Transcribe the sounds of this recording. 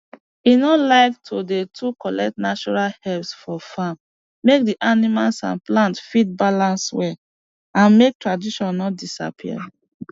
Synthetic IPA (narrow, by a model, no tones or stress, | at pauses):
inɔlaɪktʰodetʰukɔlɛk̚tnat͡ʃɔɹalhɛlsfɔfamː | ek̚diʔanimalsã̰nplãntfid̚balãnswɛ | ãnmek̚tɹadiʃɔ̃nːɔt̚disa̰pʰiə̰